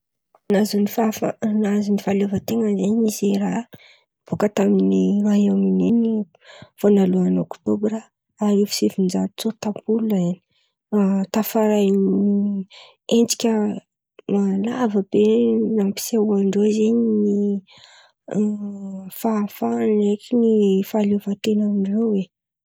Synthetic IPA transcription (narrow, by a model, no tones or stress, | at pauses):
nazunifafanazunifalevət̪eŋəzeɲizeɾa | b̥ukət̪aminiraɦamineni | fonaluanokt̪obɾə | aɾifi̥sefind͡ʒaɾt͡sot̪apulaeni | t̪afaɾajni | end͡zi̥kʲə | malavəbenampi̥sauaɳɖ͡ʐozeɲni | fafanekinifalovat̪enaminivewe